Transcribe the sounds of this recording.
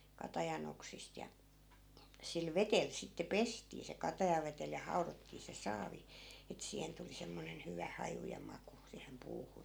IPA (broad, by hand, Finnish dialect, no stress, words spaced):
kɑtɑjɑn oksist jɑ sil ʋetel sitːe pestiː se kɑtɑjɑʋetel jɑ hɑu̞rotːiː se sɑːʋi et siːhen tuli semːonen hyʋæ hɑju jɑ mɑku siːhem puːhun